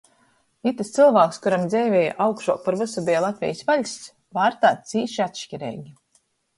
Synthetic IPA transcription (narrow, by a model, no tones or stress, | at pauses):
it̪ɨst̪sɨlˠvaːkskuɾamd̪zɛjvʲɛːja̰ʔawkʃuɔpaɾvɨsubijlˠat̪vʲɛ̰jsvaʎʲs | vaːɾt̪aːt̪siːʃiat̪ʃcʲiɾɛ̰ːɡʲi